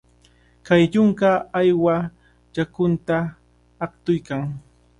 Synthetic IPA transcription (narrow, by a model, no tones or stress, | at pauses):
kajʎʊŋkaːjwa | t͡ʃakʊnt̪aː | χt̪ʊjkaŋ